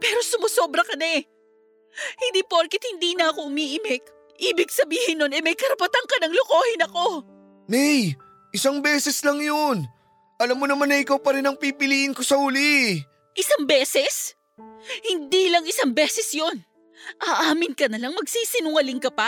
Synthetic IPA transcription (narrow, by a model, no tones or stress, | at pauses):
pɛːɾo̞sʊmoso̞bɾɐkɐnɛ | hɪnd̪iːpoɾkɪt̪hɪnd̪iːnɐɐko̞ʔʊmiːʔɪmɛk | ʔiːbɪɡ̚sɐbiːhɪnːonɛmɐjkɐɾɐpɐt̪aŋkɐnɐŋloko̞ːhɪnɐko̞ | nɛj | ʔɪsaŋbɛːsɛslɐŋjon | ʔɐlamːonɐmanːɐʔɪkawpɐɾɪnɐŋpipɪliːʔɪnko̞sɐhuli | ʔɪsaŋbɛːsɛs | hɪnd̪iːlɐŋɪsaŋbɛːsɛsjo̞n | ʔaːʔaːmɪnkɐnɐlɐŋmɐɡsiːsɪnʊŋɐlɪŋkɐpɐ